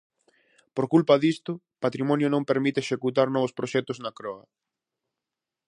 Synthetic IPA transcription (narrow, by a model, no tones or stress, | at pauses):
poɾkulpɐðist̪ʊ | pat̪ɾimɔnjʊnõmpeɾmit̪eʃekut̪aɾnɔβʊspɾoʃɛt̪ʊznɐkɾɔɐ